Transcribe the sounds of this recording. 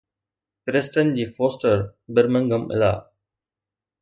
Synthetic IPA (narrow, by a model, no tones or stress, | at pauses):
pɾesʈə̃n̚d͡ʑiːfoːsʈəɾbəɾmə̃ŋɡəmɪ̰la̰ː